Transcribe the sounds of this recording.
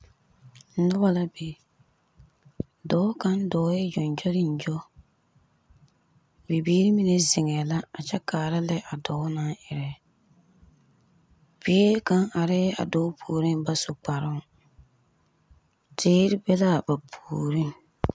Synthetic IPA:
nʊ˦ba˦la˦be˨ | dɔː˨˦ka˦n˦dɔː˨˦jɪ˦d͡ʒɔ˨nd͡ʒɔ˦ɾɪ˦n̩˨d͡ʒɔ˦ | bi˨biː˦ɾi˦mi˦nɛ˦zɪ˨ŋɛ˨la˦a˨t͡ʃɛ˦kaː˨ɾa˦lɛ˦ʔa˨dɔ˨˦na˦ʔɪ˨ɾɛ˨ | biː˦ɾi˦ka˦ŋa˨ɾɪ˦a̰˨dɔː˦pʰuː˨ɾi˦ŋba˦sʊ˨k͡pa˨ɾʊ˦ŋ˦ | tʰeː˦ɾi˦bɛ˦la˦ba˨pʰuː˨ɾi˦ŋ

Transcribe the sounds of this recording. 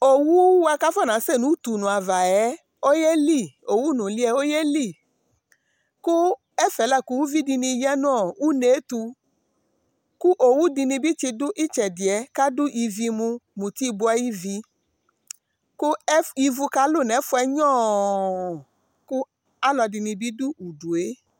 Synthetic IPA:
o˨wu˦wa˧ka˦fɔ˦˨nã˨˦sɛ˦˨nũ˨˦t̪u˨nũ˨a˨va˨ɛ˦ | o˦jɛ˦li˦˨o˨wu˦nũ˨li˦ɛ˧o˦jɛ˦li˦˨ | ku˦ | ɛ˦fɛ˨˦la˦˨ku˦wu˦vi˦di˧nĩ˧jɛ˦n˦ɔ˨wu˦ne˨˦t̪u˧ | ku˦ʔo˨wu˦di˧nĩ˧bi˦t͡ʃi˧dʊ˦ʔi˦t͡ʃɛ˨di˨ɛ˨˦ka˦dʊ˦ʔi˧vi˧mũ˧mũ˨t̪i˦i˧bu˧˦a˦ji˦vi˧ | ku˦i˧vu˧ka˦lo˦˨nɛ˨˦fu˦ɛ˦ɲɔ̃˦˨ | ku˦ | a˦lɔ˧˨di˧nĩ˧bi˦du˦u˨du˨e˨˦

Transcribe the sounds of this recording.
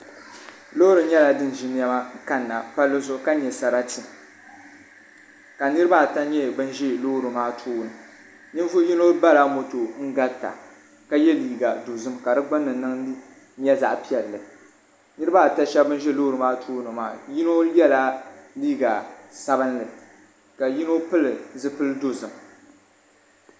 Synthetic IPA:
loː˦ɾɨ˨ɲɛ˦la˨dɨ˦n˨ʒi˦n˦ja˦ma˦ŋ˦ka˦nːa˨pa˦lːɨ˦zʊ˦ʔka˦ɲɛ˨sa˨ɾa˦ti˨ | ka˨nɨ˦ɾɨ˦ba˦˨ta˦ɲɛ˦˨bɨ˦n˦ʒɛ˦lo˦˨ɾɨ˨maː˦tʰuː˦nɨ˨ | ni˦n˦vu˦ji˦no˦ba˦la˦mo˨to˨ŋ̩˦ɡa˦ta̰˨ | ka˦jɛ˦liː˦ɡa˨do˨zɨ˦mka˨dɨ˦ɡ͡bɨ˦nːɨ˨nɨ˦ŋ˦ | ɲ˦ɛ˦za̰˨ʔpi˦ɛ˨ɾlɨ˨ | nɨ˦ɾɨ˦ba˦˨ta˦ʃɛ˦bɨ˦nʒɛ˦loː˦ɾɨ˨maː˦tʰoː˦nɨ˨ma̰ː˦˨ji˦no˦jɛ˦la˦liː˦ɡa˨sa˦bɨ˦nlɨ˨ | ka˨ji˦no˦pɨ˦lɨ˨zɨ˦pɨ˦ldo˦zɨ˨m

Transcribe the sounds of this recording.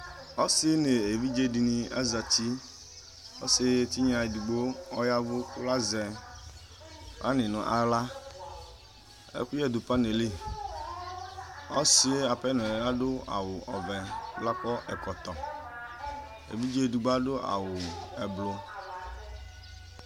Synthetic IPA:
ɔ˦sɪ˦ne˨e˨vi˦d͡ʒe˦di˨nĩ˨a̰˦za˨t̪i˦ | o̰˦sɪ˨t̪i˦ɲ˦ã˨e˨du˨ɡ͡bo˦ɔ˦ja˦vo˦ku˦la˦zɛ˨˦ | a̰˦nɪ̃˨nũ˨ʔa˨la˦ | ḛ˦ku˦jɛ˦˨d̪o˨pa˦ne˨li˦˨ | ɔ˦si˦a˨pɛ˦nũ˨ɛ˨la˦ɖo˦a̰˨wʊ˨ʔɔ˨vɛ˨˦la˦k͡pɔ˦ʔɛ˨kɔ˨t̪ɔ˨ | ḛ˨vi˦d͡ʒe˦du˨ɡ͡ba˦ɖo˦ʔa̰˨wʊ˨ɛ˨blo˨

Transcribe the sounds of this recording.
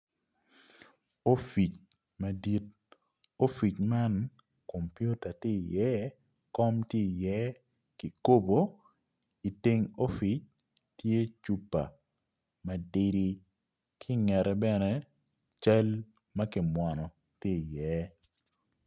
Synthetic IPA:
o˦fi˨t͡ʃ | ma˨di˦t̚ | o˦fi˨t͡ʃma˦n | ko˨mpju˦ta˨tɪ˦˨jɛ˦ | kɔ˦mti˦˨jɛ˦ | kɪ˨ko˦bo˨ | i˨ti˦ŋo˦fi˦t͡ʃ̚ | tje˦t͡ʃu˦pːa̰˨ | ma˨dɪ˦ɾi˦ | kʰɪ˦ŋɛ˨ɾɛ˨bɛ˦nɛ˦ | t͡ʃa˦l | ma˦kɪ˨mwa˨nɔ˨ | tɪ˦˨jɛ˦

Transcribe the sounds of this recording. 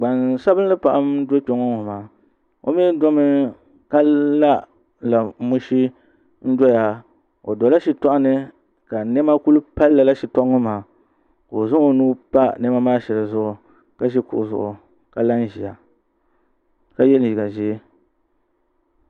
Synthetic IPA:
ɡ͡ba˨nsa˦bɨ˦n˦lɨ˦pa˨ʔa˦m˦do˦k͡po˦ŋo˦ŋo˨maː˨ | o̰˦mi˦dɔ˦mɨ˦ | kaː˦a˦ | la˨mu˦ʃi˦ | n̩˦dɔ˦ja˦ | o̰˨dɔ˨la˦ʃi˨tɔ˦ʔa˦nɨ˦ | ka˨nɛ˦ma˦ku˦lu˦pa˦lːa˨la˦ʃi˨tɔ˦ʔŋo˦maː˨ | ko˨zʊ˦ŋo˨nuː˦pa˦nɛ˦ma˦maː˦ʃɛ˨lɨ˨zʊ˦ʔʊ˨ | ka˦ʒɛ˦kʊ̰˨ʔʊ˨zʊ̰˨ʔʊ˨ | ka˨la˦n˦ʒi˨ja˨ | ka˦jɛ˦li˨ɡa˨ʒi˦

